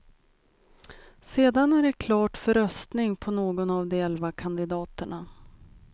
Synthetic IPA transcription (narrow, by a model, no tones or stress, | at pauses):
seːd̪anæɖɛkʰlɑːʈfœɾœst̪nɪŋpʰɔnoːɡɔnavd̪ɛɛlvakʰand̪ɪd̪ɑːt̪əɳa